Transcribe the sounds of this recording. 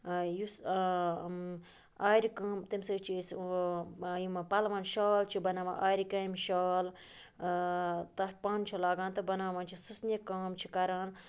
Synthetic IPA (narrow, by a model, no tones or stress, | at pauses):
jus | aːɾikɐːmt̪imsɨt͡ʃʰis | jimɐpɐlʋaːnʃaːlt͡ʃʰibɐnaːmã̰ʔaːɾikɐːmʃaːl | t̪ɐpaːnt͡ʃʰulaːɡãːnt̪ɐbɐnaːmɐːnt͡ʃʰisɨsnʲikaːmt͡ʃʰikɐɾaːn